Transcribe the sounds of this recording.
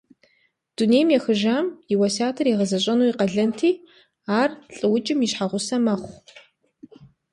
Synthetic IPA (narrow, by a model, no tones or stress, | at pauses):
d̥uneːjmjɛxɨʒaːmjɪwɐsaːtʰɨriʁəzɐɕʼɐnuːiqɐɮɐntʰiː | aːrɬʼɨwʊt͡ʃʼɪmiʃħaʁʷʊsɐmɐχʷ